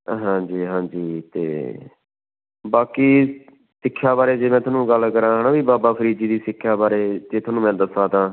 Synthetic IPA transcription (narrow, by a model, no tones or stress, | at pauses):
ɦãːd͡ʒiːɦãːd͡ʒiːt̪ḛː | baːkiː | sɪkʰːjaːbaːɾeːd͡ʒeːmɛ̃ːt̪ʰʊaːnũːɡəlkəɾãːɦənãːʋiːbaːbaːpʰəɾiːd͡ʒiːd̪iːsɪkʰːjaːbaːɾeːd͡ʒeːt̪ʰʊaːnũːmɛ̃ːd̪əsaːt̪ãː